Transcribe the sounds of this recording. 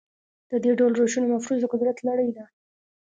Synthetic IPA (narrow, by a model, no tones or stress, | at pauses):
d̪̥əd̪eɖawlɾoʃunomafɾuzd̪əqʊd̪ɾat̪laɽəjd̪a